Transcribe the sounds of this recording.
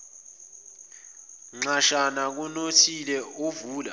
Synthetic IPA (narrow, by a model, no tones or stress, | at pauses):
ŋ͡ǁaʃanak̬unotʰilɛovuːla